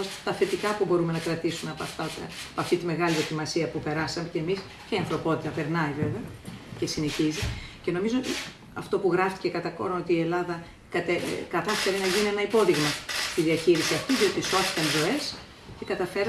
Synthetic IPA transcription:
t̪ɐθe̞t̪ikɐpubo̞ɾume̞nɐkɾɐt̪isumeɐpɐft̪ɐt̪ːpɐft̪it̪ime̞ɣɐliðo̞cimɐsiɐpupe̞ɾɐsɐmece̞ːmis | ceiɐnθɾo̞po̞t̪it̪ɐpe̞ɾnɐive̞veɐcesineçizice̞no̞mizoot̪i | ɐft̪o̞puɣɾɐft̪i̥ce̞kɐt̪ɐko̰ɾnot̪iːe̞lɐðɐ | kɐt̪ekɐt̪ɐfe̞ɾinɐʝinie̞nɐipo̞ðiɣmɐt̪iðiɐçiɾisiɐft̪iðio̞t̪iso̞θi̥t̪ɐnðo̞e̞s | ce̞kɐt̪ɐfe̞ɾ

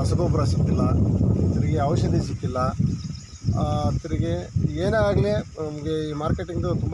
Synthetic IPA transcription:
ɐsɐɡoːpɐɾɐsit̪ːilːɐɐt̪ɐɾiɡe̞ɐʋɐʃɐd̪ʱis̬ikːilːɐ | ɐt̪ːɐɾiɡe̞eːneaːɡlenɐmɐɡe̞iːmaːɾkeʈiŋɡd̪ut̪umb

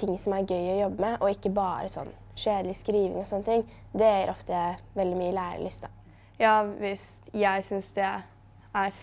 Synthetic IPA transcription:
t̪ʰɪŋːsɔmæɾɡœʏɔjɔbːəmɛʔɔɪkːəbɑːɾəsɔ̰nː | ʂeːd̪lɪskɾiːʋɪ̰ŋɔsɔnːət̪ʰɪŋː | d̪ɛæɾʔɔft̪əʋɛld̪ɪmyːəlæːɾə̰lʏst̪ə | jɑːʋɪst̪jæɪsʏnsd̪ɛ | æɾ

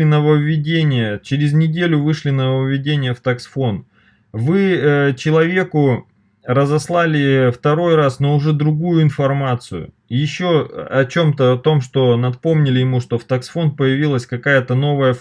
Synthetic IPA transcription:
ɪnəvəvʲːɪdʲenʲɪjət͡ɕɪɾʲɪznʲɪdʲelʲʊvɨʂlʲɪnəvəvʲːɪdʲenʲɪjəft̪ɐksfo̞n | vɨt͡ɕɪlˠɐvʲe̞kʊ | rəzɐslˠalʲɪft̪ɐɾo̞jrasnəʊʐɛd̪ɾʊɡujʊɪn̪fɐrmat̪sɨjʊ̰ | jɪɕːoɐt͡ɕo̞mt̪əɐt̪o̞mʂt̪o̞nɐt̪po̞mnʲɪlʲɪjɪmuʂt̪o̞ft̪ɐksfo̞npəjɪvʲilˠəsʲkɐkajət̪əno̞vəjə

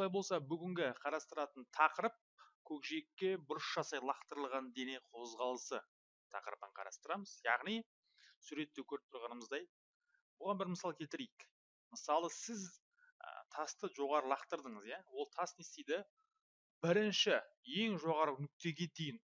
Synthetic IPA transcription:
wolˠɑjbo̞lˠsɑbʏɡʲɪŋɡʲɪqʰɑɾɑst̪əɾɑt̪ənt̪ʰɑqəɾəp̚kʲʰɵkʒekʲːe̞bʊɾəsʒ̥ɑsɑjlˠɑqt̪əɾəlˠʁɑnd̪e̞ne̞qʰo̞zʁɑlˠəsə | t̪ʰɑ̰qəɾəpəɴqʰɑ̰ɾɑ̰st̪əɾɑməzjɑ̰ʁnij | suɾe̞t̪ːekʲʰɵɾɪp̚t̪ʰʊɾʁɑnəməzd̪ɑj | bʊʁɑnbɪɾməsɑlˠəkʲʰet̪ɪɾejɪk | məsɑlˠəsɪz | ə̰t̪ʰɑst̪əʒo̞ʁɑɾəlˠɑqt̪əɾd̪əɴəzjawo̞lˠt̪ʰɑsnest̪ejd̪ɪ | bɪɾɪnʃɪje̞ŋʒo̞ʁɑɾənʏk̚t̪e̞ɡʲe̞t̪ejɪn

